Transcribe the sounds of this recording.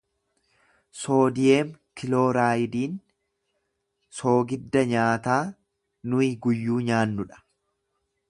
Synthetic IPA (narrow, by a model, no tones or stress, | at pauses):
so̞ːd̪ɪjeːmkɪlo̞ːɾaːjɪd̪iːn | so̞ːɡɪd̪ːɐɲaːt̪aː | nʊɪɡʊjːuːɲaːnːʊᶑɐ̥